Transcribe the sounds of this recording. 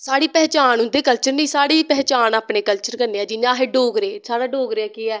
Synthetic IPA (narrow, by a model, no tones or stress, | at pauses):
saːɽiːpɛːt͡ʃaːnʊ̃nd̪eːkəlt͡ʃəɾnĩːsaːɽiːpɛːt͡ʃaːnaːpɳeːkəlt͡ʃəɾkəɾneːɛːd͡ʒɪɲãːɦeːɖoːɡɾeːsaːɽaːɖoːɡɾeɛːkeːɛː